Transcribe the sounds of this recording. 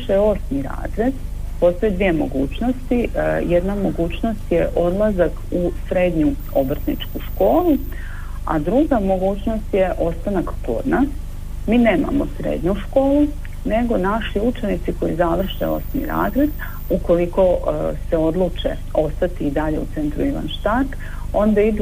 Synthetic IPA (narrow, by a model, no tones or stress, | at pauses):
ʃeo̞smiɾa̰ːzɾe̞d̪ | po̞st̪o̞jed̪ʋijemo̞̰ɡuːt͡ɕno̞st̪ijed̪namo̞ɡuːt͡ɕno̞st̪je̞ʔo̞d̪lˠazakusɾe̞ːd̪ɲu | obrt̪nḭt͡ʃkuʃko̞ːlu | a̰d̪ɾuɡamo̞ɡuːt͡ɕno̞st̪jeʔo̞st̪anakko̞̰d̪nas | miːne̞ːma̰mosɾḛd̪ɲuʃko̞ːlˠu | ne̞ɡo̞naʃiut͡ʃe̞nit̪siko̞jizaʋr̩ʃḛo̰smḭɾa̰ːzɾed̪ | uko̞liko̞seo̞d̪lˠut͡ʃḛ | o̞st̪at̪iːd̪aʎe̞ut̪se̞nt̪ɾuiʋa̰nʃt̪at̪ | o̞nd̪aid̪u